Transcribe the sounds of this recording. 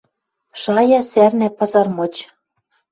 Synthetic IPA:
ʃɑjɑsærnæpɤ̆zɑrmɤ̆t͡ɕ

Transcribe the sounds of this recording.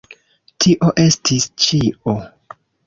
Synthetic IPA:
tʰiʔo̞ʔe̞stʰist͡ʃiʔo

